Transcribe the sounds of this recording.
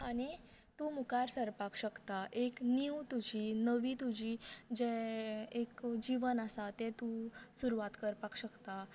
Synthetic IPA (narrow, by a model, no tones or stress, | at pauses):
añi | t̪umukaɾsəɾpakɕəkt̪aʔekniwt̪ud͡ʑiːnəʋiːt̪ud͡ʑiːd͡ʑeekd͡ʑiʋənasat̪ɛ̃t̪usuɾuʋat̪kəɾpakɕəkt̪a